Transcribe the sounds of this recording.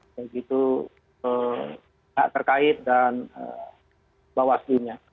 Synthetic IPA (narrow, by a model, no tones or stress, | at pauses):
jaɡit̪u | ə | ŋa̰ʔt̪ərkaɪt̪̚danə̰ | bawasduɲa